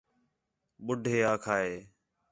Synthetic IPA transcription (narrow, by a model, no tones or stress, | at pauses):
ɓʊɖʱeːaːkʰaːɦeː